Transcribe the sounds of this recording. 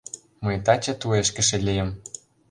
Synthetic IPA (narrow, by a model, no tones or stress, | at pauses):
mɤjt̪ɑt͡ɕɤ̆t̪ueʃkɘ̆ʃĕlʲijə̆m